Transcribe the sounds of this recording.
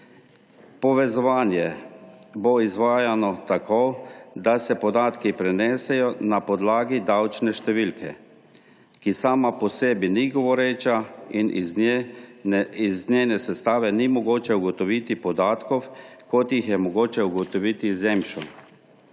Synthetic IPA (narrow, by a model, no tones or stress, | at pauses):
pɔʋɛzɔʋaːnjɛ | boizʋaːjanɔt̪akʰod̪asɛpɔd̪aːt̪kipɾɛnɛːsɛjɔnapɔd̪laːɡid̪awt͡ʃnɛʃt̪ɛʋilkʰɛ̰ | kisaːmapɔseːbiniɡɔʋɔɾet͡ʃainʔ | iznenɛsɛst̪aːʋɛnimɔɡoːt͡ʃɛuɡɔt̪ɔʋit̪ipɔd̪aːt̪kɔwkɔt̪jixjɛmɔɡoːt͡ʃɛuɡɔt̪ɔʋit̪izɛmʃɔn